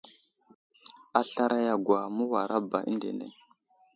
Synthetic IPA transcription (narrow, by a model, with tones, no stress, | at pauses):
a˨ɬa˦ɾʔa˦ja˨ɡʷwa˨mu˦wa˨ɾa˦ba˨ʔḭ˦ndḛ˨nḛ˨